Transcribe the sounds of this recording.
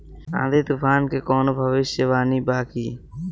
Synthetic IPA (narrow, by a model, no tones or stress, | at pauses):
ã̰ːd̪ʱeːt̪uːpʰaːnkeːkoːnobʱəʋɪʃəʋaːniːbaːkiː